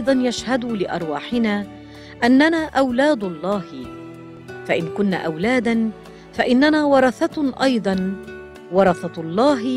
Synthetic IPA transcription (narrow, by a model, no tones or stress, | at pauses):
ʔjd̪ˤɑnjaʃhad̪ʊlɪʔɑ̰ɾˤwaːħɪnaː | ʔanːanaːʔawlaːd̪ʊlˤːɑːhɪ | faʔɪnkʊnːa̰ʔawlaːd̪an | faʔɪnːanaːwɑɾˤɑθɑʔɑjd̪ˤɑn | wɑɾˤɑθɑlˤːɑːɦɪ